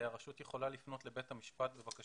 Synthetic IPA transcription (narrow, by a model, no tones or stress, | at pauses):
aʁaʃut̪jeχo̞lalifno̞t̪le̞be̞t̪hamiʃpat̪̚bevaka